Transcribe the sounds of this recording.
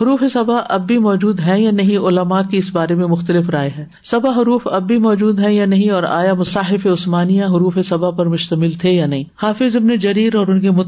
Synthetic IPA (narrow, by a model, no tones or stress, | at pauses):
ɦʊɾuːfesɐbaʔɐbːimɔːd͡ʒuːd̪ɦɛ̃janɐɦĩʔʊlɐmaːkiɪsbaːɾemẽmʊxt̪əlɪfɾaːeɦɛ̃ː | sɐbaɦʊɾuːfɐbːimɔːd͡ʒuːd̪ɦɛ̃janɐɦĩɔːɾa̰ːjamʊsaːɦɪfeʊsmaːnijãɦʊɾuːfesɐbapɐɾmʊʃt̪əmɪlt̪ʰejanɐɦĩhaːfɪzɪbned͡ʒɐɾiːɾɔːɾʊnkemʊ